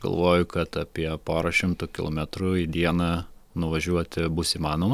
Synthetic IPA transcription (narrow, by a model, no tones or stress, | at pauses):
ɡ̥ɐ̰lˠʋoːjʊkɐt̪ɐpʲiɛpoːɾɐʃʲɪmt̪ʊkʲɪlˠomʲɛt̪ɾʊid̪ʲiɛnɐnʊʋɐʒʲuɔt̪ʲɪbʊsiːmɑːnoːmɐ